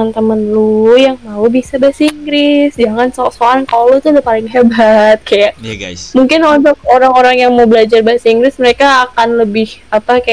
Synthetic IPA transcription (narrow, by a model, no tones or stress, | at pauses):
ant̪əmənlojaŋmaubisabasiŋɡɾɪsd͡ʒaŋansasoankallot̪uadapalɪŋɦebat̪̚kajaʔmuŋkɪnont̪ɔk̚oɾaŋoɾaŋjaŋmawbəlad͡ʒarbəsiŋɡɾɪsməɾekaːkanləbɪhapaka